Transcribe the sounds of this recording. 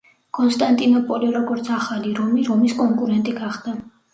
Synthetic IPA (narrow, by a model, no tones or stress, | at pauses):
kʼɔnst̪ʼant̪ʼinɔpʼɔliɾɔɡɔɾt̪sʰaχaliɾɔmiɾɔmiskʼɔŋkʼuɾɛnt̪ʼiɡaχd̪̥a